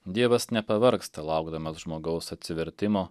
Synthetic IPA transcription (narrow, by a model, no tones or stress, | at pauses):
d̪ʲiɛʋɐsnʲɛpɐʋɐɾkst̪ɐlˠɐˑʊɡd̪ɐmɐsʒmoːɡɐʊsɐt̪ʲsʲɪʋʲɛɾʲt̪ʲɪmoː